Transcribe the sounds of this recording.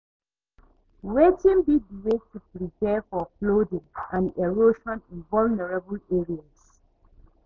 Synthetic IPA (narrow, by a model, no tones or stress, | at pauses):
wetĩnbidiwetupɹipɛfɔplodĩŋãneɹoʃɔ̃nĩnvɔlnɛɹabəleɹias